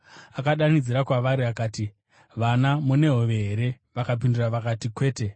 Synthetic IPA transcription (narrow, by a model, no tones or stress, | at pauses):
akaɗanid͡ziɾakwaʋaɾiakaːti | ʋanamune̞ɦoʋe̞ɦeɾe̞ | ʋakap̬induraʋakatikwe̞ːte̞